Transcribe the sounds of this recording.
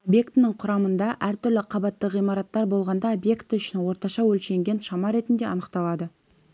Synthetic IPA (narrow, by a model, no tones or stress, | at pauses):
bʲje̞kt̪nəɴqʰʊɾɑmənd̪ɑʔæɾt̪ʏɾlɪqʰɑbɑt̪ːəʁijmɑɾɑt̪ːɑɾbo̞lˠʁɑnd̪ɑobje̞kt̪ʏʃɪnwo̞ɾt̪ɑʃɑwɵlʃe̞ŋɡʲe̞nʃɑmɑɾe̞t̪ɪnd̪e̞ɑnəqt̪ɑlˠɑd̪ə